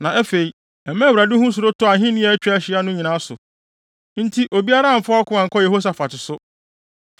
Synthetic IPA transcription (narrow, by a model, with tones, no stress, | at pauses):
nã˨ɛ˦fe˨i˨ | ɛ˨mɛ̃˦˨wɾa˨dɪ˦hʊ̃˦s̬ʊ˨ɾʊ˦tʰʊ˦a˨ɦɪ̃˦nɪ̃˦ɛ˨˦æ˦t͡ɕᶣæ˦ɕɪ˨˦a˦nʊ̃˦ɲĩ˨nã˦sʊ̰˨ | n̩˦tʰi˦ʔo˨bi˦a˦ɾã˦˨m̩˨fa˦ɔ˦kʰʊ̃˦ã˨ŋ̩˨kʰɔ˦jɛ˨ho˦s̬a˨fa˨tɪ˨sʊ˦